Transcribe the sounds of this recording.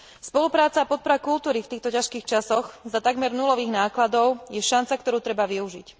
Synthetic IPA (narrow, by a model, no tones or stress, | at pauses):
spɔlupɾaːt͡saːpɔt̪̚pɔɾakult̪uːɾift̪iːxt̪ɔcaʃkiːxt͡ʃasɔxzat̪aɡmɛɾnulɔʋiːɣnaːklad̪ɔʊjɛʃant͡sakt̪ɔɾuːt̪ɾɛbaʋiuʒic